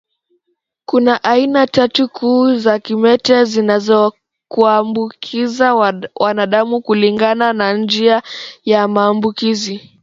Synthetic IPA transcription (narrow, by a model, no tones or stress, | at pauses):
kunaʔainatatukʰuːzakimɛtɛzinazɔ | kuambukʰizawanaɗamukuliŋɡananand͡ʒiajamaːmbukizi